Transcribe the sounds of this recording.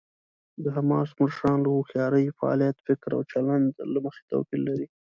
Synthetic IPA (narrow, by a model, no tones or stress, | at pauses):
d̪əɦamɑsməʂɑnləwoxjɑɾəjfaɑ̰lijat̪fɪkɾa̰wt͡ʃaland̪laməxe̥t̪a̰wkilːaɾi